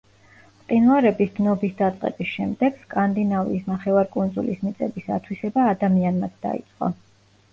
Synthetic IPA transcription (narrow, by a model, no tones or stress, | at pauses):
qʼinvaɾɛbisd̪nɔbisd̪at̪sʼqʼɛ̰bisʃɛmd̪ɛɡ̥skʼand̪inavḭːsnaχɛvaɾkʼund̪zulismit̪sʼɛbisa̰t̪ʰwisɛbaːd̪amianmat̪ʰd̪a̰ḭt̪sʼqʼɔ̰